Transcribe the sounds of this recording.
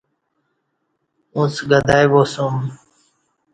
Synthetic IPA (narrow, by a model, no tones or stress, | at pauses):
ũːsɡəd̪ʱaːjʋoːsũːm